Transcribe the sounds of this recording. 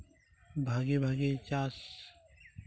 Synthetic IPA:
bʱaːɡebʱaːɡet͡ɕaːs

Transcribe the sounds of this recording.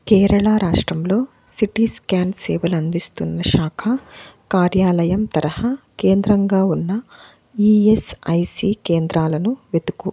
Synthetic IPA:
kɛːɾɐɭaːɾaːʂʈɾɐmlo̞ː | siʈiːskaːnsɛːʋɐlɐnd̪ist̪unːɐʃaːkʰɐkaːɾjaːlɐjɐmt̪ɐɾɐhɐkeːnd̪ɾɐŋɡaːunːɐ | iːesɐjsiːkeːnd̪ɾaːlɐnuʋed̪uku

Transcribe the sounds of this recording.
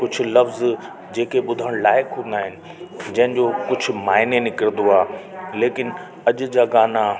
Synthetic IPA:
kʊd͡ʑʱʊ̆lɐfz | d͡ʑeːkʰeɓʊd̪ʱəɽ̃laːɪkɦũːnd̪aːɦɪnɪ̆ | d͡ʑɐ̃ɦɪ̃nd͡ʑoːkʊd͡ʑʱʊ̆maːɦɪnenɪkəɾnd̪oaːleːkɪn | ɐʄʊ̆d͡ʑaːɡaːna

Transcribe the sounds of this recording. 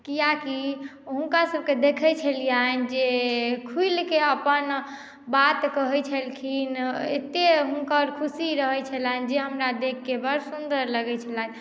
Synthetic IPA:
kijaki | ɦũnkasəb̚ked̪ekʰət͡ʃʰəlijand͡ʒekʰuilkeəpən | bat̪kəɦət͡ʃʰəlkʰinḛt̪eɦunkəɾkʰusiɾəɦɛt͡ʃʰəland͡ʒeɦəmɾad̪ekʰːebəɾsund̪əɾləɡɛt͡ʃʰəlan

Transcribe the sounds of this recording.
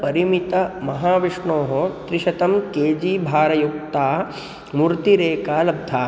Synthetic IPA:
pɐɾimit̪ɐmɐɦaːʋiʂɳoːɦot̪ɾiʃɐt̪ɐmkeːd͡ʒiːbʱaːɾɐjuk̚t̪aː | muɾt̪iɾeːkaːlɐb̚d̪ʱaː

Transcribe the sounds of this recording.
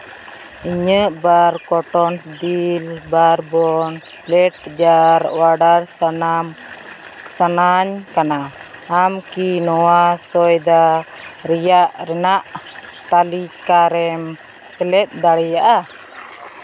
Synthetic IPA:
iɲəʔbaɾkɔʈɔnsd̪ilbarbɔn | lɛʈ̚d͡ʒaɾwaɖarsnam | sanaɲkanaamkinɔasɔjd̪aɾijaʔɾɛnaʔt̪alikaɾɛm | t̪ɛlɛt̪̚d̪aɽɛjaʔa

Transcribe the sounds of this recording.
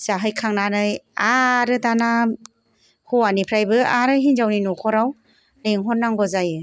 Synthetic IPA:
saɦɯjkʰaŋnanɯjaɾɯdana | hɔwanipʰɾajbɯaɾɯɦinzawninɔkʰɔɾaw | leŋɦɔnːaŋɡɔzajɯ

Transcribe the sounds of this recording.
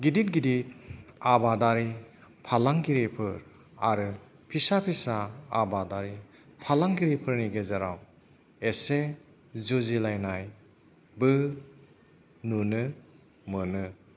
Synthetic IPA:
ɡidit̚ɡidit̚abadaɾipʰalaŋɡiɾipʰɯɾ | a̰ɾɯpʰisapʰisaːbadaɾi | pʰalaŋɡiɾipʰɯɾniɡezaɾaw | ese | zuzilajnaj | bɯ | nunɯ | mɯnɯ

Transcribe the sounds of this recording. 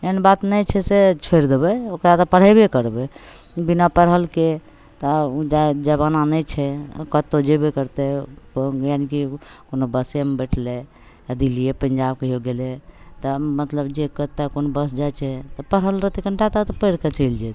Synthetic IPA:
enbat̪nəjt͡ʃʰɛset͡ʃʰeɾd̪ebɛokɾat̪ɔpəɽ̤əbekəɾbɛ | binapəɾɦəlke | t̪ɔd͡ʒad͡ʒəβananəjt͡ʃʰɛkət̪ːod͡ʒebekəɾt̪ɛ | janikikonobəsemebɛʈʰle | əd̪ʱiliepənd͡ʒab̚keɦoɡelet̪ɔmət̪ləbd͡ʒekət̪ːakonobəsd͡ʒat͡ʃʰɛt̪ɔpəɾɦəlɾət̪ikəɳʈat̪at̪ɔpəjɾket͡ʃəɪld͡ʒɛt̪

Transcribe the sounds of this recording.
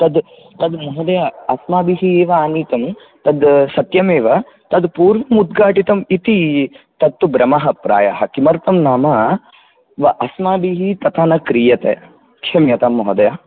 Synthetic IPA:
t̪ɐd̪ | t̪ɐd̪mɔɦɐd̪ɐjaɐsmaːbiɦieːʋɐaːniːt̪ɐm | t̪ɐd̪sɐt̪jɐmeːʋɐ | t̪ɐd̪puːɾʋɐmud̪ɡaːʈit̪ɐmit̪it̪ɐt̪ːubɾɐmɐɦɐpɾa̰ːjaɦɐkimɐɾt̪ɐmnaːmɐ | ʋɐʔɐsmaːbiɦit̪ɐt̪aːnɐkɾijɐt̪ḛː | kʃɐmjɐt̪aːmːɔɦɐd̪ɐjaː

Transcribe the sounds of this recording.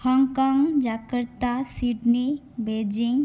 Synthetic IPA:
hɔŋkɔŋd͡ʒakəɾt̪asiʈni | bed͡ʒiŋ

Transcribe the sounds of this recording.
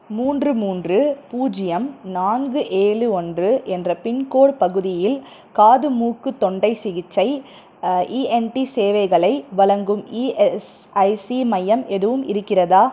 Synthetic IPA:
muːndrɯmuːndrɯpuːd͡ʒɪjɐmnaːnɡɯʔeːɭɯɔndrɯʔɛndrɐpɪnkoːɽpɐɣɯðɪjɪl | kaːðɯmuːkːɯt̪ːɔɳɖɐɪsɪɣɪt͡ʃːɐɪ | ʔiːɛnʈiseːʋɐɪɣɐɭɐɪʋɐɭɐŋɡɯmiːɛs | ɐɪsimɐjɐmʔɛðɯʋɯmɪɾɯkːɪrɐðaː

